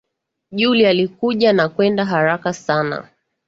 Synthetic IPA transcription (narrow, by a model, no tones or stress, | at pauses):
ʄulialikuʄanakwɛndaɦaɾakasana̰